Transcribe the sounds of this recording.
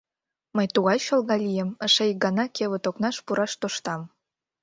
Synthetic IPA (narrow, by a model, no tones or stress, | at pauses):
məjt̪uɣɑjʃŏlˠɣɑlʲijemə̆ʃejɡɑnɑkʰeβə̆t̪oknɑʃpuɾʔɑʃt̪oʃt̪ɑm